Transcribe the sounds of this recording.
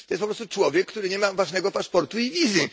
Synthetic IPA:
t̪ɔjɛspɔpɾɔst̪ut͡ʂwɔvʲjɛkːt̪uɾɘɲɛmavaʐnɛɡɔpaʂpɔɾt̪uivʲizʲji

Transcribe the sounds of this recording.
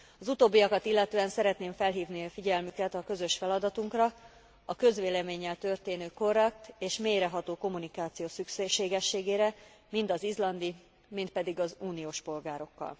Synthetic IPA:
ɒzut̪oːbːiɒkɒt̪ilːɛt̪øːɛnsɛɾɛt̪neːɱfɛlɦiːvniɒfiɟɛlmykɛt̪ɒkø̞zø̞ʃfɛlɒd̪ɒt̪uŋkrɒ | ɒkø̞zʋeːlɛmeːɲːɛlt̪ørt̪eːnøːko̞rɛkt̪eːʃmeːjɾɛɦɒt̪oːko̞mːunikaːt̪sijoːsykʃeːʃeːɡɛʃːeːɡeːɾɛ | mint̪ɒzizlɒnd̪i | mint̪̚pɛd̪iɡɒzuːnijoːʃpo̞lɡaːɾo̞kːɒ̰l

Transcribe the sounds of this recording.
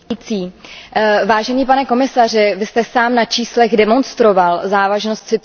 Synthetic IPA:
t͡siː | vaːʒɛniːpanɛko̞mɪsar̝ɪvɪst̪ɛsaːmnat͡ʃiːslɛɣdɛmo̞nst̪ɾo̞valzaːvaʒnost̪sɪt̪

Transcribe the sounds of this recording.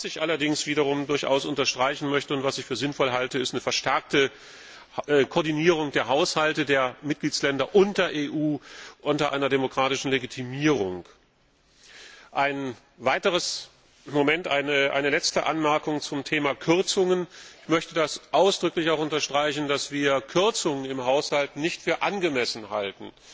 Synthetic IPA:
asɪçʔalɐdɪŋsv̥iːɾɐʁ̞ʊmdʊɐçʔa̰ʊsʊntɐʃtʁ̥aɪçn̩mœçtəʊntv̥asɪçfyːɐzɪnfɔlɦaltəɪstnəfɛɐʃtɛɐk̚tə | kʰɔːɐdiniːʁ̞ʊŋd̥eːɐɦaʊshaltədeːɐmɪt̚ɡ̥liːt͡slɛndɐʔʊnt̚d̥eːɐʔeːʔuːʔʊntɐʔa̰ɪnɐdemokʁ̥aːtɪʃn̩leɡitʰimiːʁʊŋk | ʔaɪn | vaɪtəʁ̞əs | momɛntʔaɪəʔa̰ɪnəlɛt͡stəʔanmɛɐkʊŋt͡sʊmtʰeːmakʰʏɐt͡sʊŋənɪçmœçtədasʔaʊsd̥ʁʏklɪçaʊxʊntɐʃtʁ̥aɪçn̩dasv̥iːɐkʰʏɐt͡sʊŋənɪmhaʊshaltnɪçtfyːɐʔanɡəmɛsn̩haltn̩

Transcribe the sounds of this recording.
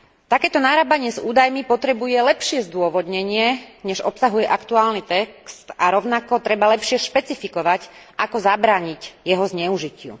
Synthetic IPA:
t̪akɛːt̪ɔnaːɾaːbaɲɪɛzṵːd̪ajmipɔt̪ɾɛbujɛlɛpʃɪɛzd̪ʊɔʋɔd̪ɲɛɲɪɛɲɛʒɔpsaɦujɛʔakt̪uaːlnit̪ɛkst̪aɾɔʊnakɔt̪ɾɛbalɛpʃɪɛʃpɛt͡sifikɔʋacʔakɔzabɾaːɲicjɛɦɔzɲɛuʒicɪṵ

